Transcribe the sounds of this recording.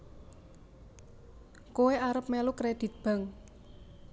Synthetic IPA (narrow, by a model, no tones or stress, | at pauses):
kuweaɾəp̚melukɾed̪̥i̤t̪̚b̥a̤ŋ